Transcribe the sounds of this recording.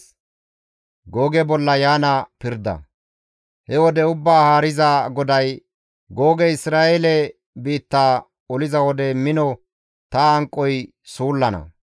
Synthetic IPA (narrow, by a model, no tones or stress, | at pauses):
ɡo̞ːɡɛbɔlːɐjaːnɐpɪɾd̪ɐ̰ | hɛwɔd̪ɛʊbːaːhaːɾɪzaɡɔd̪ɐj | ɡo̞ːɡɛɪsɾaːʔelɛ | biːt̪ːaː | ɔlɪzɐwɔd̪ɛmɪnɔ | t̪ɐɐŋkʼːɔj | suːlːɐnɐ̰